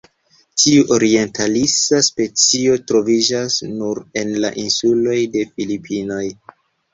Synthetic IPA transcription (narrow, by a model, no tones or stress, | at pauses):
tʰiuʔo̞ɾie̞ntʰalisaspe̞t͡sio̞tɾo̞vid͡ʒasnuɾe̞nla̰ʔinsulo̞jde̞filipʰino̞j